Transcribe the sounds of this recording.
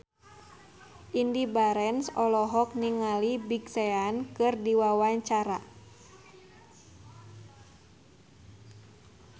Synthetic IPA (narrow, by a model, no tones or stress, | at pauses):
ʔindibaɾɛnsɔlɔɦɔk̚niŋalibiɡseankɨrdiwawaɲt͡ʃaɾa